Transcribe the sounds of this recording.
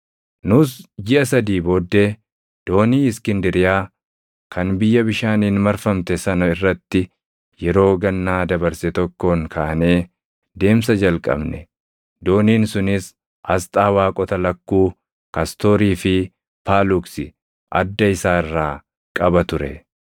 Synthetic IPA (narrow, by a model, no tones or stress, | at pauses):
nʊsd͡ʒɪʔɐsɐd̪iːboːd̪ːe̞ː | d̪̥o̞ːniːɪskɪnd̪ɪɾɪjaː | kɐnbɪjːɐbɪʃaːniːnmɐɾfɐmt̪ɛsɐnɐɪrːɐt̪ːɪ | jɛɾo̞ːɡɐnːaːd̪ɐbɐɾsɛt̪ɔkːo̞ːŋkʰaːʔɐne̞ː | d̪e̞ːms̬ɐd͡ʒɐlkʼɐ̰bnɛ | d̪o̞ːniːnsʊnɪs | ʔɐst̪ʼaːwaːkʼɔt̪ɐlɐkːuː | kɐst̪o̞ːɾiːfɪ | pʰaːlʊksɪ | ʔɐd̪ːɐɪsaːɪrːaː | kʼɐbɐt̪ʊɾɛ̰